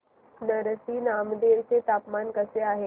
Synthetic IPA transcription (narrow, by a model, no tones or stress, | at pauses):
nəɾəsiːnaːmd̪eʋt͡set̪aːpmaːnkəseaːɦe